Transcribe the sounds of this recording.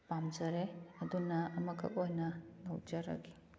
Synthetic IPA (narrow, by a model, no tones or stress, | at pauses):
pamd͡ʒɐɾeɐd̪unɐːmɐkʰɐ̰k̚ojnɐnɐwd͡ʒɐɾɐ̰ɡi